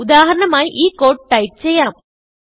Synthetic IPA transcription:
ʊd̪aːɦɐɾɐɳɐmaːjiʔiːkoːʈ̚ʈɐjp̚t͡ɕɛjːaːm

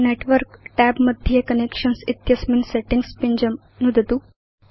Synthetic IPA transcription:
neʈʋəɾkʈæbməd̪ʱjekənekʂənsit̪jɐsminseʈiŋɡspiɲd͡ʑəm | nud̪ʱt̪u

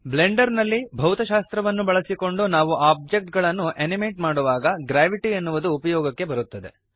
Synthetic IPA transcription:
ble̞ɳɖɐɾnɐlːibʱɐwt̪ɐʃaːst̪ɾɐʋɐnːubɐɭɐsiko̞ɳɖunaːʋuʔaːb̚d͡ʒek̚ʈɡɐɭɐnːuenimeːʈmaːɽuʋaːɡɐɡɾaːʋiʈienːuʋud̪uːpɐjɔːɡɐkːe̞bɐɾut̪ːɐd̪e̞̰

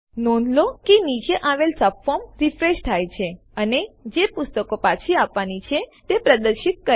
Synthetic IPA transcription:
nɔnlokenit͡ʃeʔaʋelsəpfɔɾmɾifɾeʃt̪ʰajt͡ʃʰe | əned͡ʒepʊst̪əkopat͡ʃʰiapʋanit͡ʃʰet̪epɾəd̪əɾʃit̪̚kə

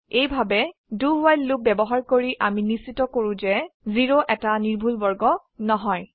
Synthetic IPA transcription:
ejbʱabɛduwajlːuk̚bɛbɔɦaɹkoɹiʔaminisitɔkoɹʊ̃zɛziɹoʔɛtaniɹbʱulbɔɹɡɔ | nɔɦɔj

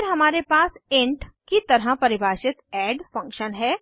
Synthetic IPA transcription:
ɾɦɐmaːɾepaːsẽɳʈkit̪ɐɾɦəpɐɾɪbʱaːʃɪt̪ɛːɖfɐ̃ŋkʃənɦɛː

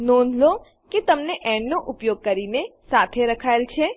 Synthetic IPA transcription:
nɔ̃nlo | ket̪əmneʔɛ̃ɳnoʔʊpjoɡ̚kəɾinesat̪ʰeɾəkʰaelt͡ʃʰe

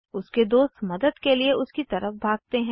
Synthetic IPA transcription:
ʊsked̪oːst̪mɐd̪əd̪kelieʊskit̪ɐɾəfbʱaːɡ̚t̪eɦɛ̃

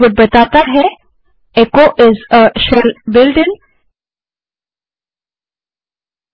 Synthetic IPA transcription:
bət̪̚bɐt̪aːt̪aɦɛ | ekoʔɪzəʃəlbɪlɖɪn

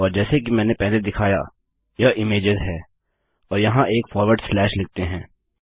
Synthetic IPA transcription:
ɔːɾd͡ʒɛːsekimɛ̃ːnepɛɦled̪ɪkʰaːja̰ | jɐʔɪmeːd͡ʒɪzɦɛː | ɔːɾjɐɦãʔeːkfɔːɾʋəɾɖslɛːʃlɪɡ̚t̪eɦɛ̃ː

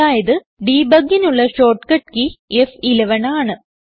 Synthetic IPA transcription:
aːjɐðɨ | ɖiːbɐɡinuɭːɐʂo̞ːʈːkɐʈ̚kiefileʋɐɳaːɳɨ

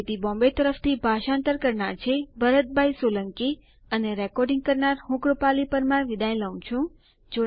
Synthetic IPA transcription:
et̪ibɔ̃mbet̪əɾəft̪ʰibʱaʃãnt̪əɾkəɾɳaɾt͡ʃʰebəɾət̪̚bʱajsoləŋki | əneɾɛkɔɾɖĩŋɡ̚kəɾnaɾɦũkɽəpalipəɾmãʋid̪ãj̃ləʋũt͡ʃʰũ | d͡ʒo

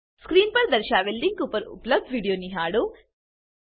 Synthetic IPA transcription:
skɾiːnpɐɾd̪ɐɾʃaːʋelɖiŋɡkuːpɐɾṵplɐb̚dʋiːɽijoːniɦaːɽu

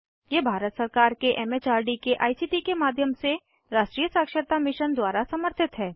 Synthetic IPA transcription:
jebʱaːɾət̪səɾkaːɾkeʔɛmeːt͡ʃaːɾɖikeʔaːisiːʈikemaːd̪ʱjəmse | ɾaːʃʈɾiːjəsaːkʃəɾt̪amɪʃənd̪waːɾasɐməɾt̪ʰɪt̪ɦɛː

